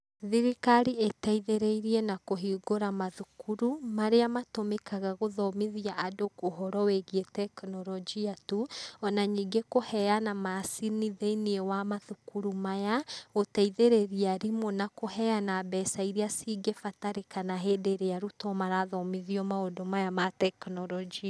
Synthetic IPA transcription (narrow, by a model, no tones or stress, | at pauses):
ðiɾikaɾietɛiðeɾeiɾiɛnakoɦiɡoɾamaðukuɾumaɾeamatomekaɣaɣoðɔmiðiaʔadokoɦɔɾɔweɣietɛknɔɾɔd͡ʒiatuɔnaɲiːɡekohɛanamasiniðeiniɛwamaðukuɾumajaotɛiðeɾeɾiaɾimonakohɛjanabɛːsaiɾiasiɡefataɾekanaɦeːdeɾeaɾutɔmaɾaðɔmiðiɔmaodomajamatɛknɔɾɔd͡ʒia